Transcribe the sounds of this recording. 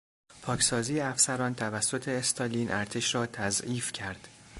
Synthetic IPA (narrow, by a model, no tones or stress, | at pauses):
pʰɒːcʰsɒːziːjeæfsæɾɒːnt̪ʰævæsːo̞t̪ʰe̞ːst̪ʰɒːliːnʔæɾt̪ʰe̞ʃɾɒːt̪ʰæziːfcʰæɾd̪̥